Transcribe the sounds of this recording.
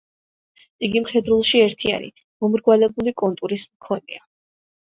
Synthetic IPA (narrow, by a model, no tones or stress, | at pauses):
iɡimχɛd̪ɾulˠʃiɛɾt̪ʰia̰nḭ | mɔmɾɡwalɛbulikʼɔnt̪ʼuɾismkʰɔnḭa